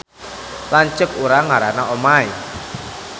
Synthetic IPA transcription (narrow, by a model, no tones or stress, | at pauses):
laɲt͡ʃəkuɾaŋaɾanaɔmai